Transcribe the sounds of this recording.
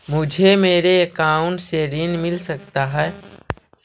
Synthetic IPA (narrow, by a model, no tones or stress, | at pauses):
mʊd͡ʒʱemeːɾeəkaʊɳʈseɾinmɪlsəkt̪aɦɛː